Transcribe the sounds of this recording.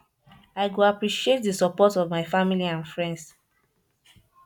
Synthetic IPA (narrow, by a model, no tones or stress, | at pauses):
aɪɡoapɹiʃiet̚dəsɔpɔtɔvmaɪfamiliãnfɹɛ̃nds